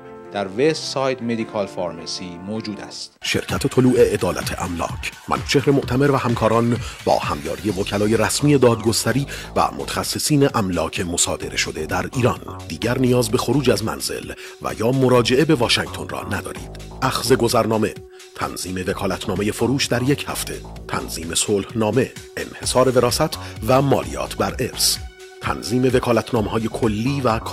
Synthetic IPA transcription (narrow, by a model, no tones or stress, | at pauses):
d̪̥æɾvessɒːjt̪med̪ikʰɒlfɒɾmesiːmod͡ʒuːd̪æ̰st̪ʃe̞̰ɾcʰæt̪ʰet̪ʰo̞luːʔe̞ʔed̪ɒːlæ̰t̪ʰe̞̰ʔæmlɒ̰ːcʰmæ̰nʃʰe̞hɾe̞moʔt̪ʰæme̞ɾvæhæmkʰɒːɾɒnbɒ̰ːhæmjɒ̰ːɾije̞vocʰælɒːje̞ɾæsmiːe̞d̪ɒːd̪ɡost̪æɾiːvæ̰mot̪ʰæ̥xæsːesiːne̞ʔæmlɒːcʰe̞mo̞sɒ̰ːd̪e̞̰ɾe̞̰ʃod̪e̞d̪æɾiːɾɒnd̪iːɟæɾnijɒːzbe̞xo̞ɾuːd͡ʒæzmæ̰nz̥e̞̰l | væ̰jɒːmoɾɒːd͡ʒe̞ʔe̞be̞vɒːʃæŋ̚t̪ʰo̞nrɒ̰ːnæd̪ɒ̰ːɾḭːd̪̥ | ʔæxze̞ɡo̞zæɾnɒːme̞̰ | t̪ʰæ̰nz̥iːme̞ve̞kʰɒːlæt̪ʰnɒːme̞je̞fo̞ɾuːʃd̪æɾje̞cʰhæ̰ft̪ʰe̞̰t̪ʰæ̰nz̥iːme̞solhnɒːme̞ḛnhe̞sɒːɾe̞ve̞ɾɒːsæt̪ʰvæmɒ̰ːlḭjɒ̰ːt̪ʰbæɾe̞ɾs | t̪ʰæ̰nziːme̞ve̞kʰɒːlæt̪ʰnɒːmeɦɒːje̞kʰo̞lːiːvækʰ